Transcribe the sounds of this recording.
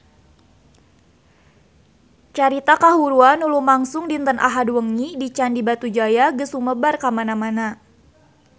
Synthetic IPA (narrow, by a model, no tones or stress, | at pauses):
t͡ʃaɾit̪akaɦuɾuanulumaŋsʊŋdint̪ənʔa̰ɦadwəŋidit͡ʃandibat̪ud͡ʒajaɡəsuməbarkamanamana